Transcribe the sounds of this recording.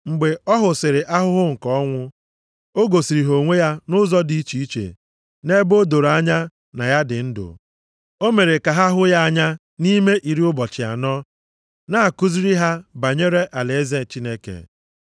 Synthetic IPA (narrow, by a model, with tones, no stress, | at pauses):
ŋ͡m̩˨ɡ͡be˨ɔ˦ɦʊ˨sɪ˨ɾɪ˨ʔa˦ɦʊ˦ɦʊ˦ŋ̩˨kɔ˨˦ŋʷʊ˦ | o˦ɡo˨si˨ɾi˨ɦo˨ŋʷe˦ja˦nʊ˦zɔ˦di˦i˦t͡ʃi˨i˦t͡ʃḛ˨ | ne˦bo˦do˨ɾa˦ɲa˦ | na˨ja˦dɪ˨n̩˦dʊ̰˨ | o˦me˨ɾe˨ka˨ɦa˦ɦʊ˦ja˦a˦ɲa˦ | ni˦me˦ʔi˨ɾi˦ʊ˦bɔ˨t͡ʃɪ˨a̰˨nɔ˦ | na˦a˨ku˦zi˦ɾi˦ɦa˦ba˨ɲe˦ɾe˦ʔa˨le˨e˦ze˦˨t͡ʃi˦ne˦kḛ˨